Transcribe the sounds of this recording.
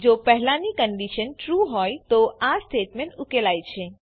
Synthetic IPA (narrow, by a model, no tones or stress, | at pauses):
d͡ʒoːpɛɦlanikə̃ɳɖiʃənʈɾuɦɔjt̪oʔasʈeːʈmẽɳʈʊkelaːjt͡ʃʰẽ